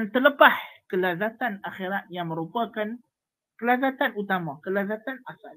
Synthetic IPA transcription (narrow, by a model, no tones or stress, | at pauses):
nt̪ələpahkəlazat̪anaxeɾat̪̚jaŋməɾupakan | kəlazat̪anut̪amakəlazat̪anasal